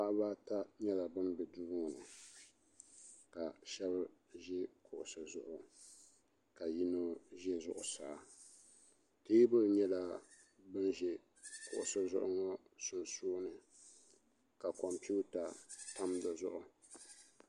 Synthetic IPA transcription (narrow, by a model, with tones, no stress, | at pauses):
pa˦ʔba˦ta˦ɲɛ˦la˨bɨ˦nbɛ˨duː˦ŋɔ˨nɨ˨ | ka˨ʃɛ˦b | ʒɛ˦kʊ˨ʔʊ˨sa˨zʊ˦ʔʊ˨ | ka˨ji˦no˦ʒɛ˦zʊ˦ʔʊ˨saː˨˦ | ti˦bɨ˦˨ɲɛ˦la˨ | bɨ˦nʒɛ˦ | kʊ˨ʔʊ˨sa˦zʊ̰˦ʔʊ˦ŋɔ˦sʊ˦nsoː˦nɨ˨ | ka˨kɔ˨mpu˦ta˨ta˦mda˨zʊ˦ʔʊ˦